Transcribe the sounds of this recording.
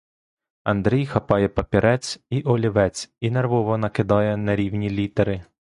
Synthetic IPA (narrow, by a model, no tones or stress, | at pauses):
ɐnd̪ɾʲijxɐpɑjɛpɐpʲiɾɛt͡sʲiʔɔlʲiʋɛt͡sʲinerʋɔʋɔnɐkɪd̪ɑjɛnɐɾʲiwnʲilʲit̪eɾɪ